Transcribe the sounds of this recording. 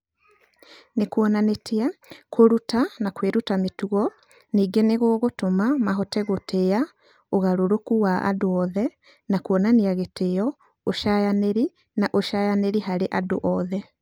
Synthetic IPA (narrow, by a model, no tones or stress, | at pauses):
nekuɔnanetʰiakʰoɾutanakweɾutametuɣɔ | niːɡeneɣoːɣotomamaɦɔtɛɣoteja | oɣaɾoɾokuwaa̰doɔðɛ | nakuɔnaniaɣetejɔ | oʃajaneɾi | naʔoʃajaneɾiɦaɾeʔado̰ʔɔðɛ